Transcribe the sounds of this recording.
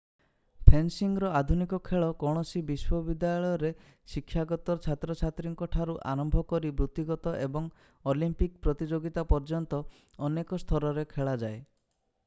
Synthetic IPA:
pʰensiŋɾɔad̪ʱunikɔkʰeɭɔkɔɽ̃ɔsibiswɔbid̪aɔɭɔjɔɾe | sikʰːjaɡɔt̪ɔɾt͡ʃʰat̪ɾɔt͡ʃʰat̪ɾiŋkɔʈʰaɾuʔa̰ɾɔmbʱɔkɔɾibɾut̪ːiɡɔt̪ɔʔebɔŋ | olimpik̚pɾɔt̪id͡ʒoɡit̪apɔɾd͡ʒɔnt̪ɔ | ɔnekɔst̪ʰɔɾɔɾekʰeɭad͡ʒae

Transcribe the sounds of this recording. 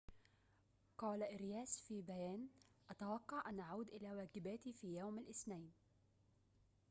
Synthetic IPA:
qɑːlaʔɪɾjaːsfiːbajaːn | ʔat̪awɑqːɑʕʔanʔaʕuːd̪ʔɪlaːwaːɡɪbaːt̪ifiːjawmalʔɪsnajn

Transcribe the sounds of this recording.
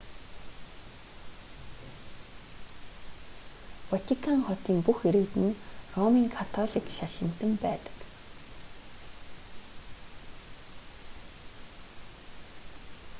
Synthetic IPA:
wat̪ʰikʰaŋχɔt̪iːmpuxeɾɘ̆kt̪ɘ̆nrɔmiːŋkʰat̪ʰɔɮikʃaʃɪ̆n̥t̪ɘ̆mpæːt̪ə̥̆k

